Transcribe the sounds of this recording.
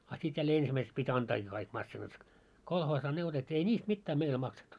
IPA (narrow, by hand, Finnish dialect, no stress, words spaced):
ɑ sit jælːeː ensimæiseks pitʲ ɑntɑːkiː kɑik mɑsːinɑt kolhoːsɑː ne otetʲːiː ei nʲiːst mitːæː meil mɑksetːu